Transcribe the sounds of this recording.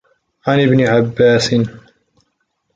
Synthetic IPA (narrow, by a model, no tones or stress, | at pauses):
ʕanɪbnɪʕabːaːsɪn